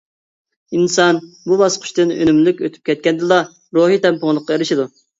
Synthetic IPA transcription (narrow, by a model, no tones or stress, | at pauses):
insɑnbubɑsqʰʊ̥ʃt̪ɨnø̰nymlykʲøt̪ʰy̥p̚kʲʰɛt̪̚kʲɛnd̪ɪlˠɑ | ɾoɦit̪ɛmpʊŋlˠəqʰːɑeɾɪʃid̪u